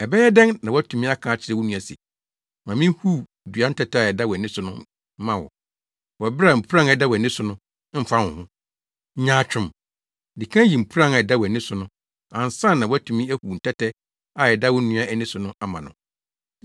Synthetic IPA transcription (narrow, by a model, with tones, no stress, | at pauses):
ɛ˨bɛ˦jɛ˦dɛ̃˦ŋnã˨wɔ˦æ˦tʰũ˨mĩ˦a˦kʰãː˨˦t͡ɕʰɪ˦ɾɛ˦wʊ˦nũ˨a˨sɛ̰˨ | mã˨mĩ˦hu˦˨ | du˨a˦n̩˦tʰɛ˦tɛ˦a˨ɛ˨da˦wɛ˨nɪ̃˦sʊ˨nʊ̃˦ | mã˦wɔ̰˨ | wɔ˨˦bɪ˦ɾa˨m̩˨pʰu˦ɾã˦ŋ˨ɛ˨da˦wɔ˨ɛ˨nɪ̃˦sʊ˨nʊ̃˦ | m̩˦fa˦wʊ̰̃˨hʊ̃˦ | ɲãː˦t͡ɕᶣʊ̃˦m | di˨kʰã˦ji˨m̩˨pʰu˦ã˦ŋa˨ɛ˨da˦wɔ˨nɪ̃˦sʊ˨nʊ̃˦ | ã˨n˨sã˦nːã˨wɔ˦æ˦tʰũ˨mĩ˦æ˦hu˨n̩˨tʰɛ˦tʰɛ˦ | a˨ɛ˨da˦wʊ˦nũ˦a˦ʔæ˦nĩ˦sʊ˨nʊ̃˦ʔa˨mã̰˨nʊ̰̃˨